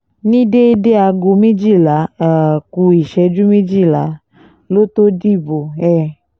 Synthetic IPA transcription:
nĩ˦de˦de˦a˧ɡo˧mĩ˦d͡ʒi˦˨la˨˦˨ku˧i˨ʃɛ˧d͡ʒu˦mĩ˦d͡ʒi˦˨la˨˦ | lo˦t̪o˦di˦˨bo˨ɛ˦˨

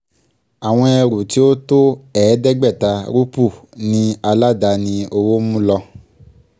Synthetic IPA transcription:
a˨w̃ɔ̃˧ɛ˧ɾu˨ti˨˦o˦to˦ɛː˨˦dɛ˦ɡ͡bɛ˦˨ta˧ɾu˦pu˦˨nĩ˧a˧la˦da˧nĩ˧o˧wo˦mũ˦lɔ˧

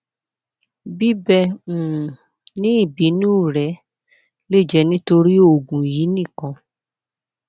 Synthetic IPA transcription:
bi˦bɛ˧ũ˨ | nĩ˦i˦˨bi˨˦nũ˦˨ɾɛ˨˦ | le˦˨d͡ʒɛ˨˦nĩ˦to˧ɾi˦o˨ɡũ˨ji˨˦nĩ˦˨kã˧

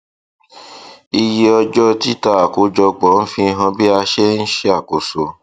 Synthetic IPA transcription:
i˧je˧ɔ˧d͡ʒɔ˦ti˦ta˧˨a˨ku˨˦d͡ʒɔ˧ɡ͡bɔ˨˦n̩˦fĩ˧ɦã˧bi˦a˧ʃe˦n̩˦ʃe˦a˦˨ko˨so˨

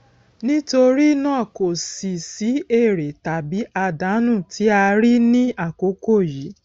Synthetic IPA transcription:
nĩ˦to˧ɾi˦nãː˦˨ko˨si˨si˨˦e˦˨ɾe˨ta˨bi˨˦ʔa˧da˨˦nũ˦˨tʰi˨˦a˧ɾi˦nĩ˦a˦˨ko˨˦ko˦˨ji˨˦

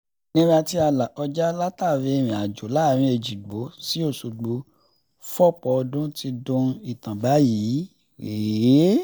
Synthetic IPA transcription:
nĩ˦ɡ͡ba˧ti˧˦a˧la˨ɔ˧d͡ʒa˦la˦ta˦˨ɾi˨˧ɾ̃ĩ˨a˨d͡ʒo˨˦la˨˦ɾ̃ĩ˧e˧˨d͡ʒi˨ɡ͡bo˨˦si˨˦o˦˨su˨ɡ͡bo˨˧ | fɔ˦˨k͡pɔ˧ɔ˧dũ˦ti˧dũ˧i˨tã˨ba˨˦jiː˨˦ | e˨˦

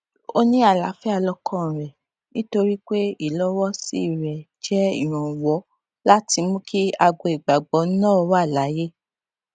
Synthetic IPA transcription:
o˧nĩ˦a˦˨la˨˦fɛ˦a˧lɔ˧kɔ̃˦˨ɾɛ˨ | nĩ˦to˧ɾi˦k͡pe˦i˦˨lɔ˨˦wɔ˦si˦˨ɾɛ˨ | d͡ʒɛ˦ḭ˦˨ɾ̃ɔ̃˨wɔ˨˦ | la˦ti˧mũ˦ki˦a˧ɡɔ˧i˨ɡ͡ba˨ɡ͡bɔ˨˦nãː˦˨˧wa˦˨la˨˦je˦

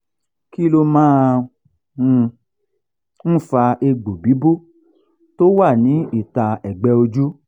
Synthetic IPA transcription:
ki˦lo˧mãː˦˧ | n̩˦fa˧e˧ɡ͡bo˨bi˨˦bu˦ | to˦wa˦˨nĩ˨˦i˦˨ta˧ɛ˨ɡ͡bɛ˨˦o˧d͡ʒu˦

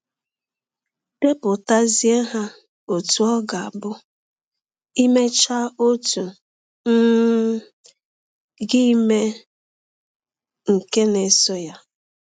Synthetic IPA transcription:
de˦pʊ˨ta˦zi˦e˦ɦa˦ | o˨tu˨ɔ˦ɡa˨a˨bʊ˦ | i˦me˦t͡ʃa˦o˦tu˨ | n̩˦ | ɡɪ˦i˦me˦ | ŋ̩˨ke˦ne˨sɔ˦ja˦

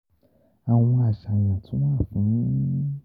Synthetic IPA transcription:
a˨w̃ɔ̃˧a˨sa˨j̃ã˨tʰũ˨˦mãː˦˨fũ˨˦nĩ˦

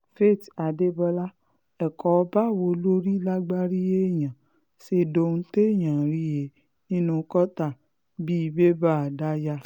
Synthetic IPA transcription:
fe˦˨ta˨de˦bɔ˧la˦ | ɛ˨kɔ˨˦˧ba˦˨wo˧lo˦ɾi˦la˦ɡ͡ba˦ɾi˦je˦˨j̃ã˨ | se˧do˧˦nũ˦te˦˨j̃ã˨ɾi˦je˨ | nĩ˦nũ˧˦kɔ˦ta˦˨ | bi˦i˧be˦ba˦˨a˨da˦ja˧

